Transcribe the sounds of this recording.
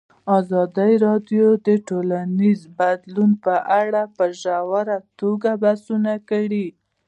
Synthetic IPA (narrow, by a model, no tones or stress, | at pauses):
ɑzɑd̪əjɾɑɖjod̪əʈolanizbad̪lunpəʔaɽapəʒawaɾat̪oɡabasunakaɽi